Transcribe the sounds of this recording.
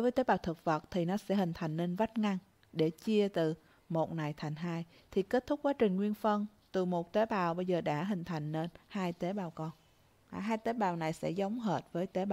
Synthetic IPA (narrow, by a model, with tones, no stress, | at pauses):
ɗo˨˦jvəː˨˦jt̪e˨˦ɓaː˨˩wt̪ʰɨ˨˩k̚və˨˩t̚t̪ʰi˨˩nɔ˨˦sɛ̰˧˥hï˨˩ŋ̟t̪ʰa˨˩jŋ̟ne˧nva˦˥t̚ŋa˧ŋ | ɗe˧˩t͡ɕi˧ət̪ɨ˨˩ | mo˨˩t̚na˨˩jt̪ʰa˨˩jŋ̟ɦaː˧j | t̪ʰi˨˩ke˦˥t̚t̪ʰʊ˦˥k͡p̚kwaː˨˦˥t͡ɕï˨˩ŋ̟ŋwi˧ənfə˧n | t̪ɨ˨˩mo˨˩t̚t̪e˨˦ɓaː˨˩wɓə˧jzəː˨˩ɗa̰ː˧˥ɦï˨˩ŋ̟t̪ʰa˨˩jŋ̟ne˧nhaː˧jt̪e˨˦ɓaː˨˩wkɔ˧nː˨˩ | ɦaː˧jt̪e˨˦ɓaː˨˩wna˨˩jsɛ̰˧˥zə˨˦wŋ͡mɦəː˨˩t̚vəː˨˦jt̪e˨˦ɓa˨